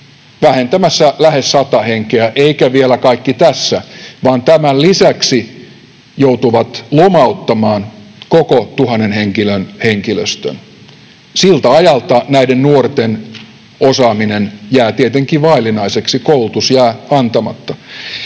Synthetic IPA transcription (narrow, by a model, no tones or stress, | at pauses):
ʋæhent̪æmæsːælæhesːɑt̪ɑheŋkeæʔeikæʋielækɑikːit̪æsːæʋɑːnt̪æmællisæksi | jout̪uʋɑt̪lomɑut̪ːɑmɑːnkokot̪uhɑnːenheŋkilønheŋkiløst̪ø̰n | silt̪æɑjɑlt̪ɑnæidennuort̪en | osɑːminenjæːt̪iet̪eŋkiʋɑilinɑiseksikoulut̪usjæːɑnt̪ɑmɑ̰t̪ːɑ